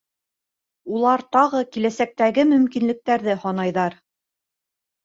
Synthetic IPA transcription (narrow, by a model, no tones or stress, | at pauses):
ulˠɑɾt̪ɑʁɤkilæsæk̚t̪æɡɘmɵ̆mkinlɘ̆k̚t̪æɾðɘhɒnɑjðɑɾ